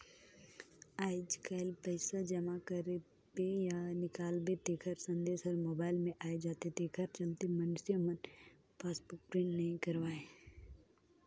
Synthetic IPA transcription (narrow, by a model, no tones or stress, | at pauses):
aːɪd͡ʒkaɪlpəɪsad͡ʒɐmakəɾe | bejanɪkaːlbet̪eːkʰəɾsɐ̃nd̪eːsɔɾmoːbaːɪlmẽʔaːed͡ʒaːt̪ed̪eːkʰəɾt͡ʃɐlt̪emənsiəmən | paːsbʊk̚pɾɪ̃ɳʈnɐɦĩkɐɾʋaːe